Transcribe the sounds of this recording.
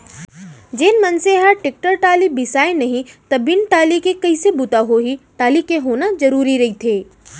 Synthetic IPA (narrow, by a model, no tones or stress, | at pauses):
d͡ʒeːnmɐnseɦaʈɪk̚ʈəɾʈaːlibɪsaːenɐɦĩt̪ɐbɪnʈaːlikekɐisebʊt̪aɦoɦiʈaːlikeɦoːnad͡ʒɐɾuːɾiɾɐɦit̪ʰeː